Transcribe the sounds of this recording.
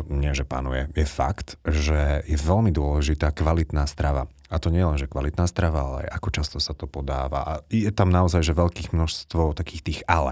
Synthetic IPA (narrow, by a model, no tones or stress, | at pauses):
ɲɪɛʒɛpa̰nujɛjɛfa̰kt̪ʒɛjɛʋɛlmid̪ʊɔlɛʒit̪aːkʋalit̪naːst̪ɾaʋa̰ | at̪ɔɲɪɛjɛlɛnʒɛkʋalit̪naːst̪ɾaʋaalɛ̰jɛ̰ʔakɔt͡ʃast̪ɔsat̪ɔpɔd̪aːʋa̰ʔajɛt̪amnaɔzajʒɛʋɛʎkiːɣmnɔʃst̪ʋɔt̪akiːxt̪iːɣalɛ̰